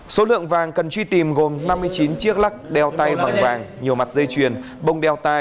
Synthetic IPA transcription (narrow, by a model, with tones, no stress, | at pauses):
so˨˦lɨ̰˧˨əŋvaː˨˩ŋkə˨˩nt͡ɕwi˧t̪i˨˩mɣo˨˩mna˧mːɨ˧əjt͡ɕi˨˦nt͡ɕi˦˥ək̚la˦˥k̚ɗɛ˧wt̪a˧jɓa˨˩ŋvaː˨˩ŋɲi˨˩əwma˨˩t̚zə˧jt͡ɕwi˨˩ən | ɓə˧wŋ͡mɗɛ˧wt̪a˧